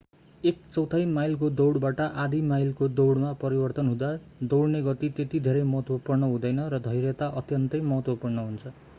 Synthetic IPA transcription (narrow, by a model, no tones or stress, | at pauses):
ek̚t͡sʌwt̪ʰajmajlk̬od̪owɽbaʈʌʔad̪imajlkod̪owɽmapʌɾibʌrt̪ʌnɦũd̪a | d̪owɽneɡʌt̪it̪et̪id̪ʱeɾʌjmʌɦʌt̪wʌpurnʌɦũd̪ʌjnʌɾʌd̪ʱʌjɾet̪aʔʌt̪jʌnt̪ʌjmʌɦʌt̪wʌpurnʌɦunt͡sʰʌ